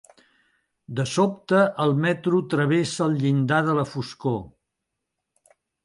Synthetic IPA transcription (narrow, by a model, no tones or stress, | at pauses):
d̪əsop̚t̪əʔəlˠmɛt̪ɾut̪ɾəβesəlˠʎind̪aðələfusko